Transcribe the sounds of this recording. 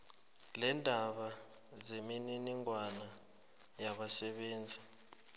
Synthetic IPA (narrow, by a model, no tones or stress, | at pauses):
lɛndʱaɓa | zemininiŋwana | jaɓasɛɓɛːnd͡zʱa